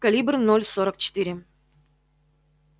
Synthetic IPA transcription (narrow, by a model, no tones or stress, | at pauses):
kɐlʲibrnolʲsoɾək̚t͡ɕɪ̥t̪ɨɾʲɪ